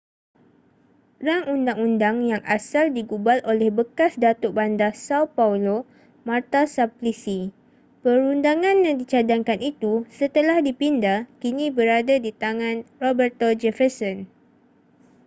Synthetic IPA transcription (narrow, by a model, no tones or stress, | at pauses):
raŋundaŋundaŋjaŋasaldiɡubalʔolɛhbəkasdat̪oʔbandasawpaulo | mart̪asaplisi | pəɾundaŋãnjãŋdit͡ʃadaŋkanit̪usət̪əlahdipindakinĩbəɾadadit̪aŋãnrobərt̪od͡ʒɛfəsɔn